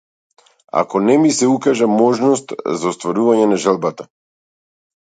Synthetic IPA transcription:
a̰kɔnɛmisɛukaʒamɔʒnɔst̪zaɔst̪vaɾuvaɲɛnaʒalˠbat̪a

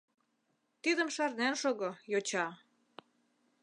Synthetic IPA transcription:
t̪id̪ə̆mʃɑrnænʃoɣojot͡ɕɑ

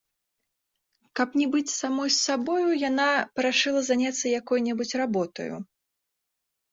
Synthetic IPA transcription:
kɐpnʲɛbɨt͡sʲsamɔjsːabɔjujanapɐɾaʂɨlˠɐzanʲat̪sːɐjakɔjnʲɛbut͡sʲrabɔt̪ɐ̰jṵ

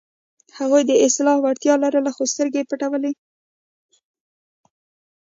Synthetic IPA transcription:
haɣujd̪əɪst̪ɪlɑfwaɽt̪jɑlaɾəlaxost̪əɾɡepaʈawəle

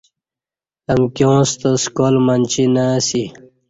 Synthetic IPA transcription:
ɐŋkjõːst̪oskoːlmɐnʲt͡ɕinasi

